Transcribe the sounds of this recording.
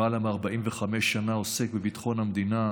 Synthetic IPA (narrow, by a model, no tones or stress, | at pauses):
alameaʁbaʔimveχameʃːanao̞sek̚bevit̪χo̞nhamd̪ina